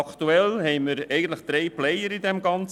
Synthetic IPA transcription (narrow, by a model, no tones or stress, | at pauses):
ɑkt̪uɛlhɛɪməɾɛɪɡən̩t̪ləχd̥̪ɾɛɪplɛjəɾid̪ɛmɡɑnt͡s